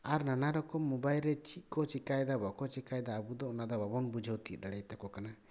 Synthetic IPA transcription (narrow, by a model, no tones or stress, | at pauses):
aɾnanaɾɔkɔmːɔbajlɾɛt͡ʃʰit̪̚kɔt͡ʃikajd̪abɔkɔt͡ʃikajd̪aːbud̪ɔɔnad̪ɔbabɔnbud͡ʒʱəwt̪id̪aɽɛjt̪ɔkɔkana